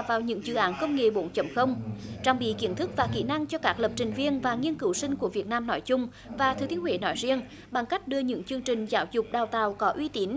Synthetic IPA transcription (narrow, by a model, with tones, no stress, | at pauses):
vaː˨˩wɲɨ̰˧˥ŋzɨ̰˧˩ʔaː˨˦nkə˧wŋ͡mŋḛ˨˩ɓo̰˧˥˦nt͡ɕə̰˧˩mxə˧wŋ͡mt͡ɕa˧wŋ͡mɓḭ˧˨ki˨˧˥ənt̪ʰɨ˦˥k̚vaː˨˩kḭ˧˩na˧ŋt͡ɕɔ˧kaː˦˥k̚lə˨˩p̚t͡ɕï˨˩ŋ̟vi˧ənvaː˨˩ŋi˧ənkɨ˨˦wsï˧ŋ̟ku˧˩əvi˨˩ət̚naː˧mnɔ˨˦jt͡ɕʊ˧ŋ͡m | vaː˨˩t̪ʰɨ˨˩t̪ʰi˨˦wḛ˧˩nɔ˨˦jzi˧ən | ɓa˨˩ŋka˦˥jk̟̚ɗɨ˧əɲɨ̰˧˥ŋt͡ɕɨ˧əŋt͡ɕï˨˩ŋ̟zaː˨˦wzʊ˨˩k͡p̚ɗaː˨˩wt̪a̰ː˨˩wkɔ˨˦ʔwi˧t̪i˨˦ən